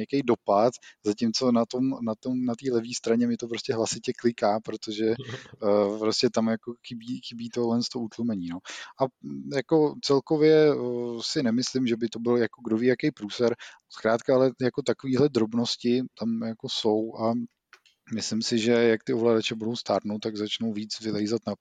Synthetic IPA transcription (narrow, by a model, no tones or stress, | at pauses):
akɛjdo̞pat̪zacɪmt͡so̞nat̪omnat̪omnat̪iːlɛvɲiːst̪ɾaɲɛmɛt̪op̬ɾo̞scɛɦlasɪcɛklɪkaːpɾot̪oʒɛ | pɾoscɛt̪amjakoxɪbiːxɪbiːt̪oɦlɛnst̪o̞ut̪lmɛɲiːno̞ʔajako̞t͡sɛlko̞vjɛsɪnɛmɪslɪmʒɛbɪt̪o̞bɪljakoɡdo̞viːjakɛjpɾuːsɛɾ | skɾaːt̪kaalɛjako̞t̪akoviːɦlɛd̪ɾo̞bno̞scɪt̪amjako̞so̞wʔa | mɪslɪmsɪʒɛjak̚t̪ɪo̞vlaːdat͡ʃɛbudo̞wst̪aːɾnot̪ːaɡzat͡ʃno̞wviːt͡svɪlɛjzat̪na